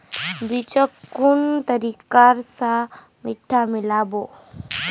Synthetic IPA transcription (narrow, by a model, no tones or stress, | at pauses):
bit͡ʃəkːʊnt̪əɾikaːɾsa | mɪʈʰːamɪlaːboː